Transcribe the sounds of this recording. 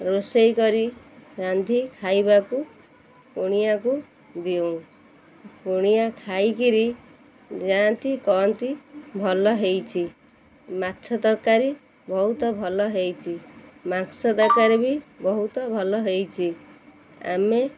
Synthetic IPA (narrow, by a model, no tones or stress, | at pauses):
rosʌjkʌɾiɾand̪ʱikʰajbaku | kuɽ̃ijaku | d̪ijow̃ | kuɽ̃ijakʰajkiɾi | d͡zaant̪ikɔnt̪ibʱʌlʌɦejt͡sʰi | matːsʰʌd̪ʌrkaɾi | bʌɦut̪ʌbʱʌlʌɦejt͡sʰimaksʌd̪ʌɾkaɾibʱibʌɦut̪ʌbʱʌlʌɦejt͡sʰi | a̰me